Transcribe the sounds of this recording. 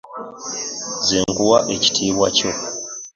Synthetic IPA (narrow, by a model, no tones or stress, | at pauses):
ziŋɡuwaʔeci̥tʰiːβwa̰co